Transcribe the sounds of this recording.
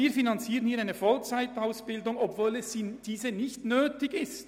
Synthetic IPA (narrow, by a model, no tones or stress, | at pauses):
iːɐfinɑnt͡siːʁənhiːɐʁaɪnəfɔlt͡saɪtaʊsb̥ɪldʊŋɔpvoːlɛssiːd̥iːzənɪçtnøːtɪɡɪst